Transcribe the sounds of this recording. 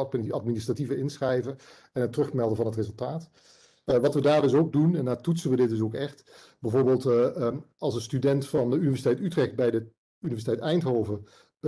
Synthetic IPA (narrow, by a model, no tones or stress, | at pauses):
pɪɑt̚minɪstrativəɪnsχrɛjvə | ɛnətːrɵχmɛlˠdəvɑnɦətrezəlˠtaːt | ʋɑtʋədaːɹdɵs̬owɡ̚dunɛndaːtutsənʋədɪt̚dɵs̬owkɛχt | bɛjvoːɹbeːlˠt | ɑlˠsənstydɛntfɑndəynivɛsitɛjtytrɛxt̚bɛjdə | ynivɛɹsitɛjtɛjntɦoːvə